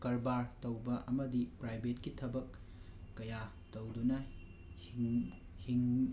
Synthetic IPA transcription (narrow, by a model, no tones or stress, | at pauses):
kɐɾbaɾtɐwbɐʔɐmɐdipɾajbetkitʰɐbɐkː | ɐja | towdunɐ | h | hiŋ